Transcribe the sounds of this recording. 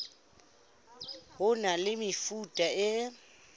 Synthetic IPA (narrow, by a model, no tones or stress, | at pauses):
hʊnalɪmɪfutʼaɪ